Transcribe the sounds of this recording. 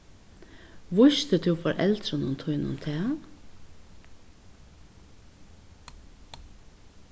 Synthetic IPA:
ʋʊʃt̪ət̪ʰʉːfoːɾʔɛ̰lt̪ɾənʊnt̪ʰʊʏnʊ̰mt̪ʰeː

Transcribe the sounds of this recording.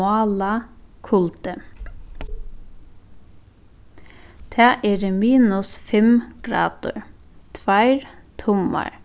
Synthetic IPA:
ɑːlɑkʰʊlt̪ə | t̪ʰæːʔeːɾəmiːnʊsfɛmɡ̥ɾɑ̰ːd̪̥ʊ̰ɹt̪ʰʋæɪɹt̪ʰʊmɑ̰ɹ

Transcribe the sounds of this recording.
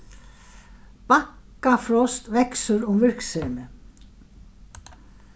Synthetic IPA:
pakː | afɾɔst̪vɛksʏɾʊmvɪr̥kseːnɪ

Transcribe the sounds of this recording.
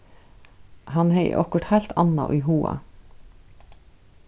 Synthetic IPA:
hɑnheɪʔɔ̰kəʈhælt̪ʰɑnɑ̰ʔiːhuːɑ̰

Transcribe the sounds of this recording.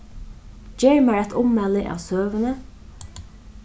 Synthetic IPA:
d͡ʒeɹmæːɹɛt̪ʰʊmmɛlɪʔɑ̰ːʋsøːʋənə

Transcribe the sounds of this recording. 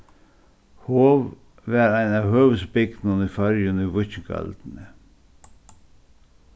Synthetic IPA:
hoːʋ | ʋæːɾæɪnɑːhøːʋəsbɪɡ̥̪nɑnifɑɾjəniːʋʊçɡɑ̰ld̪̥n̩ə

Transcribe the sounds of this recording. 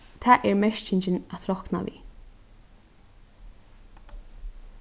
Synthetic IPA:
t̪ʰaːʔɛɹmɛʃcɪɲt͡ʃɪnat̪ʰɾɔkna̰ʋḭ

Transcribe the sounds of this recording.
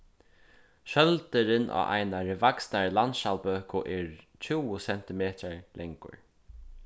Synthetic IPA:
ʃœlt̪ɪɾɪnʔa̰ʔa̰jnaɾɪvaksnaɹlant̪ʃalpøːkʊʔɛːɹ | t͡ʃʰuwʊsɛn̥t̪ɪmeːt̪aɹlɛŋkʊ̰ɹ

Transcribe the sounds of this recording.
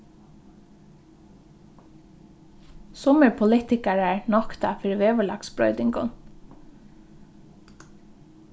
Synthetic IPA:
sʊməɹpʰʊliːt̪ɪkæɹəɹnɑkt̪ɑfɪɹʋeːʋəɭɑ̰ksbɹœ̰ʏd̪ɪŋɡʊ̰n

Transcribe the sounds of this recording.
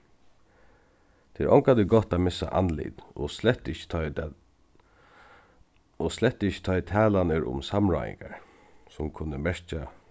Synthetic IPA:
t̪ʰeɛɾʔɔŋkad̪ɪɡɔt̪aːmɪsa̰ʔanlɪ̰t̪ɔ̰slɛt̪ːɪçə̥ | ɔslɛt̪ːɪçə̥t̪ʰɔjt̪ʰɛːlanəɾʊ̰msamɹɔ̰ːjɪ̰ŋkaɹ | sʊmkʰʊnːəmɛɹt͡ʃa

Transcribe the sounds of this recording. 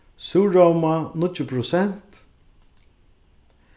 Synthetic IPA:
suːɹawmanʊt͡ʃəpʰɾʊsɛn̥t̪

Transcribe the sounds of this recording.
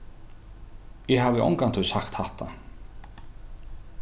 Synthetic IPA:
jɛɦavɪʔɔ̰wŋkan̥t̪ʰʏsaxt̪hɛht̪ʰa̰

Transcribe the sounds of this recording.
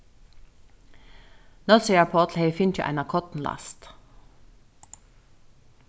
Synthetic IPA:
noseːəpʰɔːt̪lheɪfɪnt͡ʃəʔæ̰ɪnɑkʰɔt̪n̩lɑ̰st̪

